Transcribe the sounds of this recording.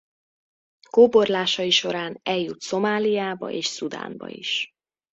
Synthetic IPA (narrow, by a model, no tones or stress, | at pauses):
koːbo̞rlaːʃɒiʃo̞ɾaːnɛljːut̪so̞maːlijaːbɒ̰ʔeːʃsud̪a̰ːmbɒ̰ḭʃ